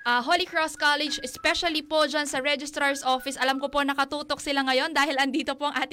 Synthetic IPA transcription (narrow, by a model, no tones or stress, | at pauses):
ʔɐɦolɪkɹoskalɛd͡ʒɛspɛʃɐlipod͡ʒɐnsɐɹɛd͡ʒɪst̪ɾɐɹsʔofɪsʔɐlɐmkopo̞nɐkɐt̪uːt̪ok̚sɪlaŋɐjo̞nd̪aːhɪlɐnd̪iːt̪o̞poʔɐŋʔaːt̪ɪ